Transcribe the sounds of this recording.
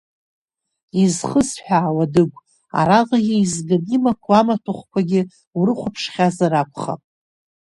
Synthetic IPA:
izχəsħᶣaːwadɨɡʷ | a̰ɾalaɡʲiizɡɨnimakʷʰamatʰʊχʷkʷʰaɡʲɪ | wrɨχʷapʰʂχʲazaɾakʷʰʼχa̰pʼ

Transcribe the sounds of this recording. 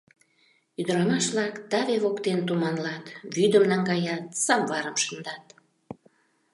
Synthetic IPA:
yd̪əɾɑmɑʃβlɑkd̪ɑβeβokt̪ent̪umɑnlɑt̪βyd̪əmnɑŋɡɑjɑt̪sɑmvɑɾəmʃənd̪ɑt̪

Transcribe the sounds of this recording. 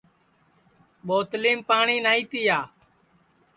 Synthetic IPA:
ɓoːt̪liːmpaːɳiːnaːiːt̪iːjaː

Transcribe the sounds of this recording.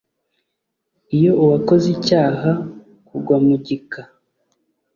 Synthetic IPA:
ijo̞uwako̞zicaːɦa | kuɡwamuɟika

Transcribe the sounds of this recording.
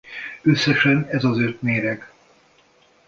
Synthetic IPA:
øsːɛʃɛnɛzɒzøt̪meːɾɛɡ

